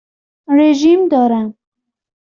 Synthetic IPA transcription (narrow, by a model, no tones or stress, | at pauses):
ɾeʒimd̪ɑɾa